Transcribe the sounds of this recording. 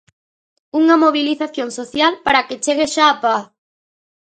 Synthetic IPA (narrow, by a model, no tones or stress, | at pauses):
uŋɐmoβ̞iliθaθjoŋsoθjalpaɾaket͡ʃeɣeʃaːpa